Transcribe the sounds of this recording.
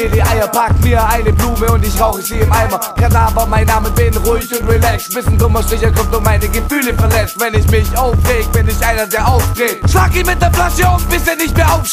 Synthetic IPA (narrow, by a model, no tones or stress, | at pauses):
eliʔaɪɐpʰak̚tmiːɐʔaɪnəbluːməʊntɪçʁaʊxəsiːɪmʔaɪmakʰadaːbɐmaɪnːaːməben̩ʁʊɪçʊntʁilɛksv̥ɪsn̩dʁʊmɐstɪçɐkʰɔmtomaɪnəɡəfyːləfɛɐlɛt͡stv̥ɛnɪçmɪçʔaʊfʁeːɡəvɛnɪçʔaɪnɐdeːɐʔaʊfd̥ʁeːtʃlaːkɪçmɪt̚d̥eːɐplasoːʊnb̥ɪseːɐnɪçtmeːɐʔaʊf